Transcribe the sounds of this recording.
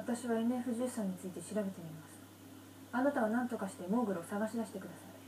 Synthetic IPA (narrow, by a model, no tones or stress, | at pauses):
at̪aɕiβaene̞ɸɯ̟ʑɨːsãɲ̟ːit͡sɨit̪e̞ɕiɾabe̞t̪e̞mʲimasɨ̥ | anat̪aβanãnt̪o̞kaɕi̥t̪e̞mo̞ːɡɯ̟ɾosaɡaɕid̪aɕi̥t̪e̞kɯ̟d̪asai